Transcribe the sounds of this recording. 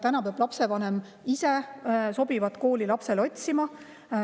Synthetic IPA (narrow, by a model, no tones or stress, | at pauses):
t̪ænɑpeɑb̥lɑpse̞vɑnem | ise̞so̞bivɑt̪ko̞ːlilɑpse̞lo̞t̪ʲsimɑ